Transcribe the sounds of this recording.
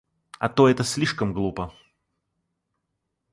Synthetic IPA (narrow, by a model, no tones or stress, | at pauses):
ɐt̪oɛt̪əsʲlʲiʂkəmɡlˠupə